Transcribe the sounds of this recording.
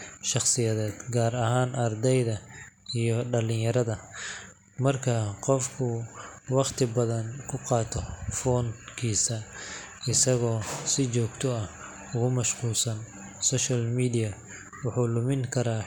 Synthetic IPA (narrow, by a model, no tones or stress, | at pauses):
ʃɑχsɪjɐðɛːd̪̥ɡaːɾɐɦaːnʔɐrd̪ɛjðɐijɞɖɐlɪnjɐɾɐðɐ | mɐrkʰɐqɔfkʰʊwɑqt̪ʰɪbɐðɐnkʰʊqɑːt̪ʰɔfɔːnkʰiːsɐ | ɪsɐɣɔːsɪt͡ʃɔːɡt̪ʰɔɐh | ʊɣʊmɐʃquːlsɐn | sɔːʃɐlmiːdɪjɐ | wʊħuːlʊmɪŋkʰɐɾaː